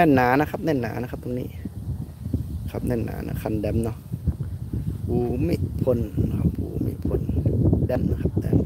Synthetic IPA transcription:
nɛː˧˩˨nːaː˨˦na˧kʰa˧p̚nɛː˧˩˨nːa̰ː˨˦na˧kʰa˧˦p̚t̪o˧nḭː˧˨ | kʰa˧p̚nɛː˧˩˨nːa̰ː˨˧˦nɔ̰˧kʰa˧˩˨ndɛ˧˩˨mnɔ˧˨ | huː˨˦mi˧˨ʔpʰo˧˨nna˧kʰa˧p̚hṵː˨˦mḭ˧˨pʰo˧ndɛ˧˥˨mnɔ˧˨kʰa˧p̚d̪ɛ̰˧˩m

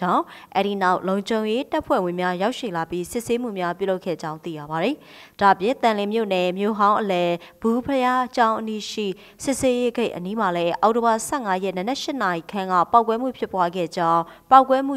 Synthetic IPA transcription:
ã˦˨ʊ̃ʔɛ̰˦ɾi˨na˦ʊʔlõ˨ʊ̃ɲd͡ʑõ˨ʊ̃je˦ta˦pʰwɛ̰˦˨wɪ̃˨mja˦ja˦ʊʔʃḭ˦˨la˨pji˦sɪ˦ʔse˦m̥ṵ˦˨mja˦pjṵ˦˨lo˦kʰɛ̰˦˨d͡ʑã˦ʊ̃nt̪ḭ˦˨ja̰˦˨ba˨ɾi˨ | d̥a˦˨ə˨pjɪ̃˨nt̪ã˨lɪ̃˨mjo̰˦˨nɛ˨mjo̰˦˨ɦã˦ʊ̃ʔəlɛ˨b̥u˨pʰəja˦t͡ɕã˦ʊ̃ʔəni˦ʃḭ˦˨ | sɪ˦ʔse˦je˦ɡẽ˦ɪʔəni˦ma˨lɛ˦ʔa˨ʊʔto˨ba˨sɛ˦˨ŋa˦jɛ˦˨nə˨nɛ˦ʔʃɪ˦na˨ji˨kʰã˦˨ŋɡa̰˦˨pa˦ʊkwɛ˦m̥ṵ˦˨pʰjɪ˦pwa˦ɡɛ̰˦˨d͡ʑã˦ʊ̃pa˦ʊkwɛ˦m̥ṵ˦˨

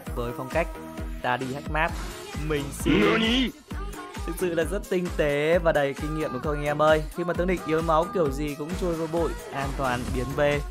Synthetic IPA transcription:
vəː˨˦jfɔ˧wŋ͡mka˦˥jk̟̚ | t̪aː˧ɗi˧ha˦˥jk̟̚maː˦˥p̚ | mï˨˩ŋ̟si˧˦˥i˧˦ | t̪ʰɨ˨˩k̚sɨ̰˧˨lə˨˩k̚zə˦˥t̚t̪ï˧ŋ̟t̪e˨˦vaː˨˩ɗə˨˩jkï˧ŋ̟ŋḭ˧˨əmʔxə˧ŋɛ˧məː˧jxi˧maː˨˩ɨ˨˦ŋɗḭ˧˨ŋ̟ʔi˨˦əwma˨˦wki˨˩əwzi˨˩kʊ̰˧˥ŋ͡mt͡ɕu˧əjvəː˨˧ɓṵ˧˨jʔaː˧nt̪waː˨˩nɓi˨˦ənve˧

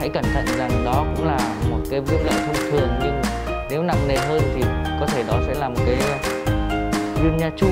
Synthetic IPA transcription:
ha̰˧˥jkə˧˩nt̪ʰə̰˧˨nza˨˩ŋɗɔ˨˦kʊ̰˧˥ŋ͡mlaː˨˩mo˨˩t̚kaː˨˦jvi˦˥ət̚lə̰ː˧˨jt̪ʰʊ˧ŋ͡mt̪ʰɨ˨˩əŋɲɨ˧ŋ | ne˨˦wna˨˩mne˨˩ɦəː˧jt̪ʰi˨˩kɔ˨˦t̪ʰe˧˩ɗɔ˨˦sɛ̰˧˥laː˨˩mo˨˩kaː˨˦j | zwi˧əmɲaː˧t͡ɕʊ˧˥

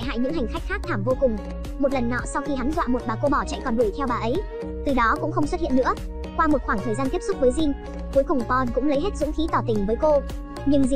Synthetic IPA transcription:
jɦa̰ː˧˨jɲɨ̰˧˥ŋɦa˨˩jŋ̟xa˦˥jk̟xaː˦˥k̚t̪ʰaː˧˩mvo˧kʊ˨˩ŋ͡m | mo˨˩t̚lə˨˩nːɔ̰˧˨sa˧wxi˧ɦa˨˦nzwa̰ː˧˨mo˨˩t̚ɓaː˨˩ko˧ɓɔ˧˩t͡ɕɛ̰˧˨jkɔ˨˩nɗu˧˩jt̪ʰɛ˧wɓaː˨˩ʔə˨˦j | t̪ɨ˨˩ɗɔ˨˦kʊ̰˧˥ŋ͡mxə˧wŋ͡mswə˦t̚ḭ˧˨nːɨ̰˧˥ə | kwaː˧mo˨˩t̚xwaː˧˩ŋt̪ʰəː˨˩zaː˧nt̪i˦˥p̚sʊ˦˥k͡p̚vəː˨˦jzi˧n | ku˨˦jkʊ˨˩ŋ͡mpɔ˧nkʊ̰˧˥ŋ͡mlə˨˦jɦe˦˥t̚zʊ̰˧˥ŋ͡mxi˨˦t̪ɔ˧˩t̪ï˨˩ŋ̟vəː˨˦jko˧ | ɲɨ˧ŋzi˨

